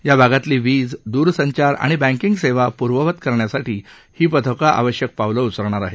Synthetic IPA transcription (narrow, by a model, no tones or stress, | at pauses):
jabʱaɡat̪liːʋiːd͡zd̪uːɾsəɲt͡ɕaɾa̰ɽ̃ibæ̃ŋkiŋɡseʋapuɾʋəʋət̪kəɾɳjasaʈʰiː | hiːpət̪ʰəkaʔa̰ʋəɕjək̚pawləut͡səɾɳ̃aɾaɦe